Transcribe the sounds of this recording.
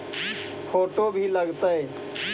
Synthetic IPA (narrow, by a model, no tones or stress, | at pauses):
pʰoːʈobʱiləɡt̪əe